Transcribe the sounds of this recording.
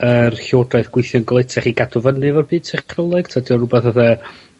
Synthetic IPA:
ərɬoːdraɨθɡwɪjθjɔnɡlˠejtʰɛχiɡadɔvənɨvɛrbiːd̥sʰɪχkʰrəlˠɛɡ̥tʰadiɔrubɛθəθa

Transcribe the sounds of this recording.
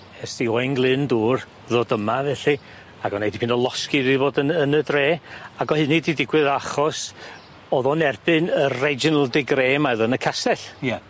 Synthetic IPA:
ɛsd̥iɔjnɡlˠɨnduːr | ðɔdəmavɛɬi | aɡɔnejdipʰɪnɔlˠɔskiðiboːdənənədreːaɡɔhɨnididɪɡwɨðaχɔs | oːðɔnɛrb̥ɨnəɛd͡ʒɔnəlˠdɪɡreːmaðənəkʰasɛɬja

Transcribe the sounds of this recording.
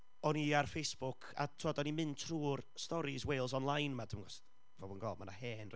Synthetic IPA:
ɔniarfejsb̥ʊkʰa̰tʰuɔdɔnimɨntʰruːrstɔɾiswejlˠs̬ɔnlˠajnmadɪmŋɡɔs | vɔbunɡɔlˠdmana̰hɛːnr

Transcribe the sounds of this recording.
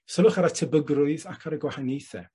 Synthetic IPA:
səlˠʊχaɾatʰəbəɡrʊɨðakʰaɾəɡwahajnejθɛ̰

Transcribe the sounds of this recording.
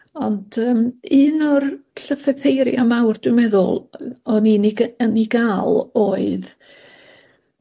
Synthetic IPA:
ɔnd̥əːmɨːnɔrɬəfɛθejɾjamawrd̥wʊmɛðʊ̰lˠɔninəniɡalˠoːɨð

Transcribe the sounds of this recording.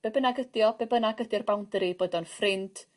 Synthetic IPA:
b̥ɛbənaɡədjɔb̥ɛbənaɡədjɔrbawndɾiboːdɔnfrɪnd

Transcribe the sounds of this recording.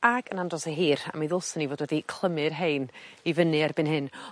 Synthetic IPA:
aɡənandrɔseɦiːɾa̰miðʊlˠsənːivoːdwɛdikʰl̥ˠəmɨrɦejnivənɨarbɨnɦɨn

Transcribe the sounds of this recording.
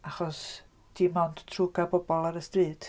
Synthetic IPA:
aχɔs | d̥iːmawnd̥tʰruɡabɔbɔlˠaɾəstriːd̥

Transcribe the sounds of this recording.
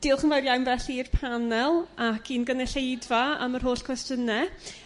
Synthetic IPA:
d̥iːlˠχənvajrjawmvɛɬiːrpʰanɛlˠakʰiːnɡənɛɬejdvaa̰mərɦoːɬkʰwɛstənɛ

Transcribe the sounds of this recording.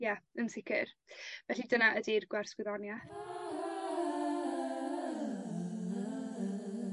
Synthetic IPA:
jaənsɪkʰɪ̰ɾvɛɬidənaʔədirɡwɛr̥swɪðɔnja

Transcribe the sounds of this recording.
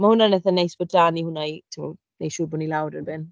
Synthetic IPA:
mahʊnanɛθanejsb̥ədanihʊnajtʰɪmɔ̰ | nejʃuːbɔnilawɾərbɪn

